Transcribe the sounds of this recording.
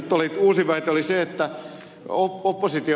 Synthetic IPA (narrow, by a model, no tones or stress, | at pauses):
t̪ːoliːt̪uːsiʋæit̪eoliseet̪ːæ | oopːosit̪i